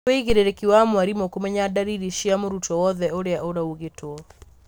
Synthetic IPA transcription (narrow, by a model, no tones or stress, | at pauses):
weiɣeɾeɾekiwamwaɾimokomɛɲadaɾiɾiʃiamoɾutɔwɔðɛoɾeaʔoɾauɣetwɔ